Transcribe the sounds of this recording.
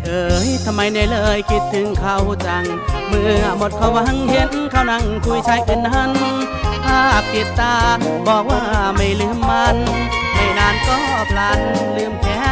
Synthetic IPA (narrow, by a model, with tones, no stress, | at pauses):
ʔɤː˧˩jt̪ʰa˧mːa˧jna˧˩jlɤː˧jki˧˩t̪ʰːɯ˨˦ŋkʰa˧˩wt͡ɕa˨˩ŋ | mɯː˧˩a˧˩mo˨˩t̪̚kʰa˧˩wa˧˥ŋhe˧˥nkʰaː˧˩wna˧˩˨ŋkʰu˧˩˨jt͡ɕʰa˧˥jpe˧nːa˧˥n˧ | t̪ʰaː˧˩a˨˩p̚kʰi˨˩t̪̚ːaː˧˩bɔː˨˩k̚waː˧˩˨ma˧˩jlɯ˧˩əmːa˧n | ha˧˩jnaː˧˩nk̪ɔː˧˩˨pʰlaː˧˥nlɯː˧əmkʰɛː˧˥